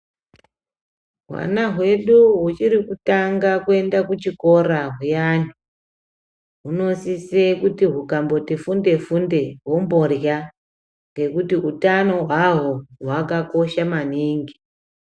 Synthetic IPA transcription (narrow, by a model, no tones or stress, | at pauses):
ɦwa̰naɦwe̞ɗuɦut͡ʃiɾikutaŋɡakue̞ndakut͡ʃiko̞ɾaɦujanu | ɦuno̞sisekutiɦukambo̞tifunde̞funde̞ɦo̞mbo̞rja | ŋɡe̞kutiʔutano̞ɦwaɦoɦwakako̞ʃamaniːŋɡi